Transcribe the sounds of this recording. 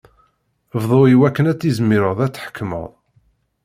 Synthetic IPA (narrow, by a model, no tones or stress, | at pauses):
vðˤoiwækːənæt͡sːizmːiɾəðˤæt͡sːħə̥kʰːmə̰ðˤ